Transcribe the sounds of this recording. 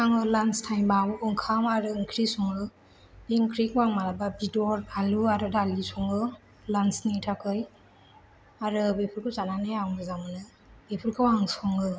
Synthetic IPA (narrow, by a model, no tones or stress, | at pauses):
aŋɯlanstʰajmbawɯŋkʰamaɾɯɯŋkʰɾisɔŋɯ | biŋkʰɾikwaŋmalababidɔɾaluaɾɯdalisɔŋɯ | lansnitʰakʰɯj | aɾɯbipʰuɾkʰɯzananɯjawŋbɯzamɯnɯ | bepʰuɾkʰɯwaŋsɔŋɯ